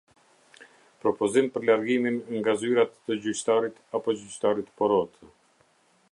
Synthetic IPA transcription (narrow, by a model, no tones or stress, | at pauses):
pɾɔpɔzimpəɾlaɾɡiminŋɡazyɾat̪ːəd͡ʑyt͡ɕt̪aɾit̪apɔd͡ʑyt͡ɕt̪aɾit̪pɔɾɔt̪